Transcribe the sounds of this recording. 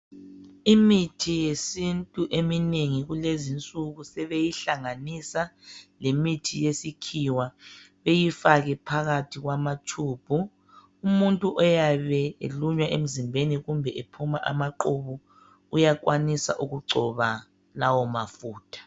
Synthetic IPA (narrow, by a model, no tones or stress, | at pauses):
imitʰijesintʼuʔemineŋiɣulezint͡sʼuɣusɛβejiɬaŋanisalemitʰijesikʰiwa | βejifaɣɛpʰaɣatʰiɣwamatʰuːb̥ʱu | umuntʼuʔɔjaβɛḛluɲwaʔem̩zimbʱeniɣumbʱɛʔepʰumaʔa̰maǃoβu | ujak̬ʼwanisa̰ʔuɣuǀʱɔβa | lawɔmafuːtʰḁ